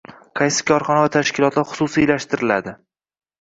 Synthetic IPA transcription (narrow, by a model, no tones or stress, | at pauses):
qʰɑjsɪ̥kʲʰɒɾχɒnavat̪ʰaʃkʲʰɪlˠɒt̪laɾχʊ̥susijlaʃt̪ɪɾɪla̰d̪ɪ